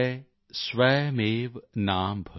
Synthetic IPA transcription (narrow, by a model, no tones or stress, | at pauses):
sʋɛːmeːʋnaːmbʱɐ